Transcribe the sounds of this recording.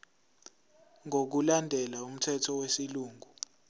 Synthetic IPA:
ŋok̬ulandʱɛlaum̩tʰɛtʰɔwesiluːŋʱu

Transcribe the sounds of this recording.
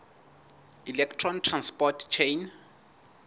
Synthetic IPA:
ilɛktʰrɔntʰranspɔtt͡ʃʰejn

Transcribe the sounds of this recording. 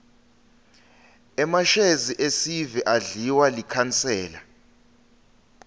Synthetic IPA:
ɛmaʃeziʔesivɛʔaɮiwalikʰant͡sʰʼɛːla̰

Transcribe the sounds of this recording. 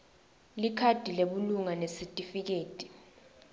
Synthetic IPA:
likʰad̥ʱileɓuluŋanesitʼifik̬eːtʼi̥

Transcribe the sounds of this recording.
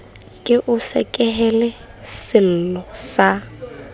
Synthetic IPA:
kʼɪʔʊsɛ̰kʼɛɦɛlɛ | sɪl̩lɔsa

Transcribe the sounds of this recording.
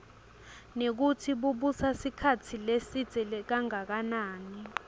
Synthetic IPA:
nek̬utʰiɓuɓusasikʰatʰilesid̥z̥ʱɛlɛk̬aŋak̬anaːni

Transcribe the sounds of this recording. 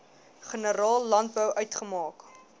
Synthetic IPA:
χənəɾɑːlˠːɐnt̚bəwʔœɥtχəmɑːk

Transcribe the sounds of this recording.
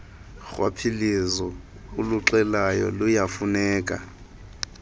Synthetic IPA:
ɣwa̰pʰilizɔ | ʊluǁɛlajɔ̰lʊjafunɛːkʼa̰

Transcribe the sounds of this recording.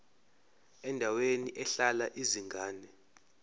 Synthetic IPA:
ɛndʱaweniʔɛɬalaʔiziŋɡʱaːnɛ

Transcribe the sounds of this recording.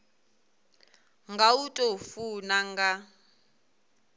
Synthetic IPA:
ŋɡautʼofunaŋɡa

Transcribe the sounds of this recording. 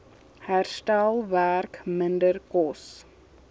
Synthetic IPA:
hæɾsʈalvæɾkmɪndəɾkɔs

